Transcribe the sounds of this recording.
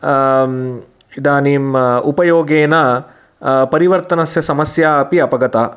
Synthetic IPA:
id̪aːniːmupɐjoːɡeːnɐ | pɐɾiʋɐɾt̪ɐnɐsjɐsɐmɐsjaːɐpiɐpɐɡɐt̪aː

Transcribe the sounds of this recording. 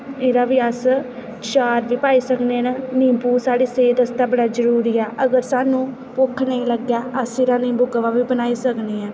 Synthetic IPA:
eːɾaːʋiːəs | t͡ʃaːɾʋiːpaːiːsəkneːnənĩːmpuːsaːɽiːseːd̪əst̪aːbəɽaːd͡ʒəɾuːɾiːɛːʔəɡəɾsaːnũː | pʊkʰːneĩːləɡjaːəsɪːɾaːnĩːbʊɡʋaːʋiːbənaːiːsəkneːɛː

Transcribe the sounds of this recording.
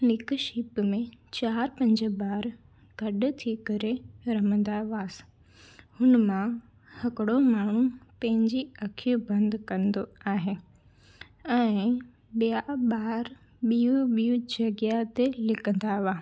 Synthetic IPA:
nɪkʃiːpmẽt͡ɕaːɾpɐ̃ɲd͡ʑə̆baːɾ | ɡ̥ɐɗʊt̪ʰikɐɾeɾɐmə̃nd̪aʋaːs | hʊnmã | hɐkɪɽomaːɳ̤ũpɐ̃ɦɪ̃ɲd͡ʑiɐkʰijũbɐ̃nd̪kɐ̃nd̪oaːɦe | ɛ̃ː | ɓijaɓaːɾ | ɓijũɓijũd͡ʑɐɡjat̪elɪkʰə̃nd̪aʋaː

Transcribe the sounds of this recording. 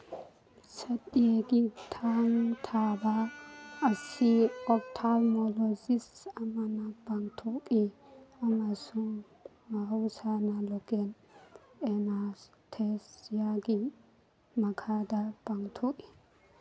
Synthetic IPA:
sɐt̪eɡit̪ʰaːnt̪ʰaːbaː | sːɪɔkt̪ʰalmɔlɔzɪsɐmɐnɐb̥ɐŋt̪ʰukʼiɐmɐsu | mawsaːnɐlɔɡɛn | ɛnas | t̪ʰesjaːɡɪ | mɐkʰaːd̪ɐb̥ɐŋt̪ʰukʼɪ̥

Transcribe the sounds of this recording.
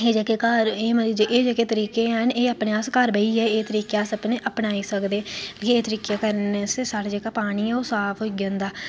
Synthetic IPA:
eːd͡ʒeːkekaɾeːməd͡ʒeʔeːd͡ʒeːkeːt̪əɾiːkeːəneːəpnẽːaskəɾbəiːɦɛːeːt̪əɾiːkaːsəpneːʔəpnaːiːsəkd̪eːkeeːt̪əɾiːkjaːkəɾnssaːɽed͡ʒeːkaːpaːɽ̃iːɛːoːsaːpʰɦoːɡãːnd̪aː

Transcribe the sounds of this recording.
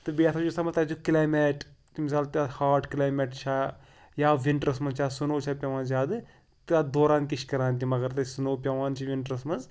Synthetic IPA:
t̪ɨbiat̪ʰɐt͡ʃusɐmɐt̪at͡ʃukilaːjmeʈt̪imisaːlt̪ahaːʈkilaːjmeːʈt͡ʃʰa | jaːʋiɳʈɾɐsmɐnzt͡ʃʰaːsunoːt͡ʃʰapʲjɐʋaːnd͡ʒaːd̪ɨ | t̪ɨad̪oːɾãːnt̪iʃkɐɾaːnt̪̬imɐɡɐɾt̪ɨsunoːpʲɐʋaːnt͡ʃʰiʋiɳʈɾɐsmɐnz

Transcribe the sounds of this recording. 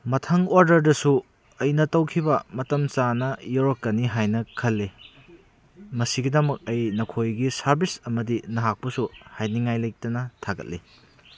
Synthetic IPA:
mɐtʰɐŋoɾdɐɾdɐsu | ɐjnɐtɐwkʰibɐmɐtɐmt͡ʃanɐjoɾokːɐniɦajnɐkʰɐlːi | mɐsiɡidɐmɐk̚ɐjnɐkʰojɡisɐɾbisɐmɐdinɐɦak̚pɐsuhajniŋajlɐjk̚tɐnɐtʰaɡɐ̰t̚li

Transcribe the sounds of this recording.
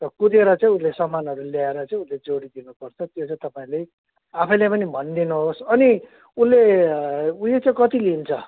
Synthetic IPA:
tʌkud̪eɾʌt͡saĩunlesʌmːanɦʌɾuljaeɾʌt͡saĩunled͡zoɽid̪inupʌrt͡sʰʌt̪jot͡sãĩt̪ʌpaĩlej | apʰʌ̃jlepʌnibʱʌnd̪inuɦosʌni | unle | uet͡sãĩkʌt̪ilint͡sʰʌ

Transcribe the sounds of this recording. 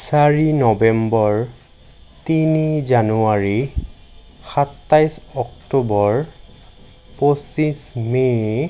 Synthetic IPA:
saɹinɔbɛmbɔɹ | tinizanuaɹi | xatːajsɔktobɔɹ | posisme

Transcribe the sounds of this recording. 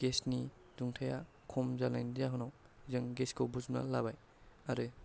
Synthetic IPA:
ɡ̥esni | duŋtʰaja | kʰɔmzalajndijaɦɔnaw | zɯŋɡeskowbuzmna̰labaj | aɾɯ

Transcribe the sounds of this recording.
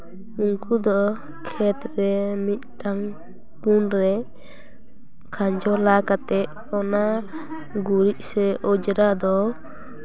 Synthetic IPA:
uŋkud̪ɔ | kʰɛt̪ɾɛmit̪̚ˀʈaŋ | punɾɛ | kʰaɲd͡ʒɔlakat̪ɛʔ̚ | ɔna | ɡuɾiʔ̚sɛʔɔd͡ʒɾad̪ɔ

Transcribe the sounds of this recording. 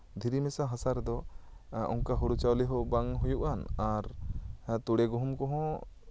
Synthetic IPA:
d̪ʱiɾimɛsaɦãsaɾd̪ɔ | ṵnkaɦuɽut͡ʃawliɦɔbaŋɦujuʔanaɾ | t̪uɽɛɡɔɦumkɔ̃ɦɔ̃

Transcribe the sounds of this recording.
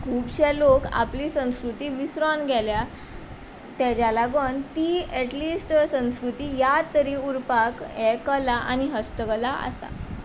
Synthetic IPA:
kʰuːbɕɛloka̰pliːsə̃w̃skɾut̪iːʋisɾɔnɡʱɛlja | t̪ad͡ʑalaɡənt̪iːɛʈliːsʈsə̃w̃skɾut̪iːjat̪ːəɾiːuɾpakɛkəlaʔa̰niɦəst̪əkəlaə̰sa̰

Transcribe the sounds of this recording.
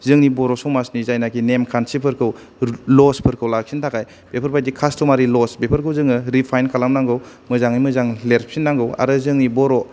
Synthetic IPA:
zɯŋnibɔɾɔsɔmasnizajnakʰinemkʰansipʰɯɾkʰɯw | lɔspʰɯɾkʰɯwlak̚sʰintʰakʰaj | b̥epʰəɾpʰajdikʰastʰɔmaɾilɔsbepʰəɾkʰɯwzɯŋɯɾipʰajnkʰalamnaŋɡɯw | mɯzaŋnimɯzaŋleɾpʰinːaŋɡɯwa̰ɾɯzɯŋnibɔɾɔ

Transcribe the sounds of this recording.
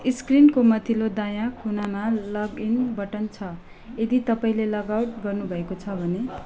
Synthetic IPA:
iskrinkomʌt̪ʰilod̪ajakʰunamalʌɡinbʌʈʌnt͡sʰʌ | ed̪it̪ʌpaĩlelʌɡawʈɡʌrnubʱʌekot͡sʰʌbʱʌne

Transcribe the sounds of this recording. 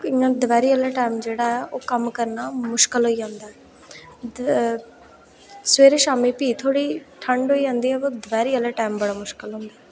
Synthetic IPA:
ɪ̃ãːd̪ʋɛːɾiːəlɛːʈaːɪmd͡ʒeːɽaːɛːʔoːkəmkəɾnaːmʊʃkəlɦoːiːd͡ʒãːnd̪aːɦɛː | sʋeːɾeːʃaːmiːpiːt̪ʰoːɽiːʈʰəɳɖɦoːiːd͡ʒãːnd̪iːɦɛːoːd̪ʋɛːɾiːəlɛːʈaːmbəɽaːmʊʃkɪlɦʊ̃nd̪aː

